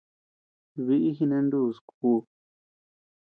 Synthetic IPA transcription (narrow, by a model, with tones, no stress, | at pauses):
βi˧ʔi˦ɦi˧nẽ˧˦ndu˦˧˨skuː˧